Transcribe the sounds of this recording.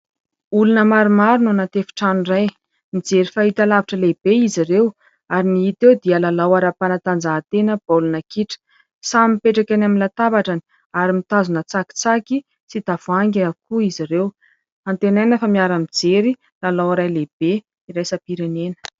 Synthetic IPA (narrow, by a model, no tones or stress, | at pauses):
ulunəmaɾumaɾinanat̪efi̥ʈ͡ʂanuraj | mid͡zeɾifaɦit̪alaviʈ͡ʂəleb̥eiziɾew | aɾiniɦit̪ewd̪iəlalawaɾapanat̪and͡zaːt̪enəb̥alunakiʈ͡ʂə̥ | samipeʈ͡ʂakʲanaminlat̪abaʈ͡ʂani̥ | aɾimit̪azunət͡saki̥t͡saki | sid̪̥avuaŋɡʲakuiziɾew | ant̪enajnəfamiaɾamid͡zeɾi | lalawaɾajleb̥e | iɾajsapiɾenenə̥